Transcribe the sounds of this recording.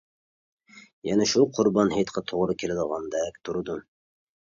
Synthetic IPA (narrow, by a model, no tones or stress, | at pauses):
jɛnɛʃuqʰʊɾbɑnhet̪qʰɑt̪ʰoʁɾɨkʲʰelɪd̪əʁɑnd̪ɛk̚ʲt̪ʰuɾɨd̪um